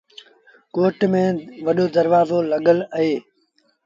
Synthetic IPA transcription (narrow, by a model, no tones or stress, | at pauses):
koːʈmẽːʋɐɗoːd̪əɾʋaːzoːlɐɠələɦeː